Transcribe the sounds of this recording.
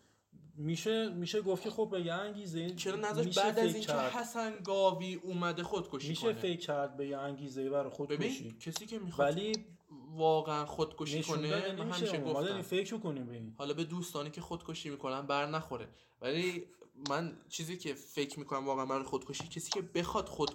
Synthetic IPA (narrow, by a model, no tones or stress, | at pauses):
miʃemiːʃeɡofcʰexobbejeæŋɟiːzeit͡ʃʰeɾɔːnæzɒʃtmiʃbæd̪æziːŋʰːeɾhæsæŋɡɒːviːʔuːmæd̪eχod̪̚kʰoʃmiːiʃkʃʰefecʰːæɾd̪̚bejeæŋɟiːzeibæɾɔjxod̪bebiniicʰesiːcʲʰe̞mixæli | vɒːɣeænχod̪̥kʰoʃikʰonnemmhæmʃiɡomd̪enifekʰmikonimbeinhɒːlɒːbe̞d̪uːst̪ɒːniːcʰexod̪̥̚kʰo̞ʃiːmiːkʰo̞næmbæɾnæxoɾḛ | vælimænt͡ʃʰiːziːcʰe̞fe̞cʰmiːkʰonæmvɒːɣeænbæɾɒjxod̪̥̚kʰoʃiːcʰesiːcʲʰe̞be̞xɒd̪̥xod̪̥